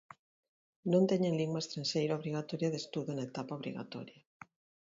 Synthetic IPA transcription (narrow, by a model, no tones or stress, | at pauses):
nõnt̪eɲenliŋɡwaest̪ɾãnʃejɾaoβɾiɣ̞at̪ɔɾjaðest̪uðonaet̪apaoβɾḭɣa̰t̪ɔ̰ɾja